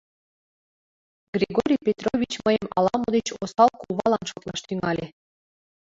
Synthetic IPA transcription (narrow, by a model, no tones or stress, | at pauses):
ɡrʲeɡoɾʲijpʲet̪rovʲit͡ɕməjəmɑ̰lˠɑmod̪et͡ɕosɑlˠkulˠβɑlˠɑnʃot̪lˠɑʃt̪yŋɑlʲe